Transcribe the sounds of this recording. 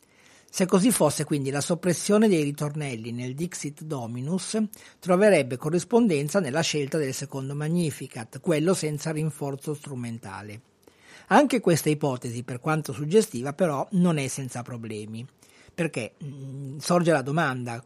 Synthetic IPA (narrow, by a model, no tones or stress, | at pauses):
sekːozifːosːekwind̪ilasopːɾesːjoːned̪ejrit̪ornɛlːineld̪iksit̪d̪ɔːminust̪ɾoveɾɛbːekorːispond̪ɛnt̪sanelːaʃelt̪ad̪elsekond̪omaɲːiːfikat̪ːkwelːosɛnt̪sariɱfort̪sost̪ɾument̪a̰ːle | aŋkekwest̪aipɔːt̪eziperkwant̪osud͡ʒːest̪iːvapeɾɔnonɛsːɛnt̪sapɾoblɛːmi | perke | sord͡ʒelad̪omand̪a